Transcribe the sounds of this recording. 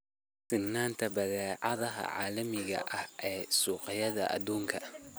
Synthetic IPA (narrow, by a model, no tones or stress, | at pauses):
sɪnːaːnt̪ʰɐbɐðɛːʕɑðɐɦɐ̰ʕa̰ːlɐmɪɣɐ̰ʔɐhʔɛːsuːqɑjɐðɐ̰ʔɐ̰d̪uːŋkʰɐ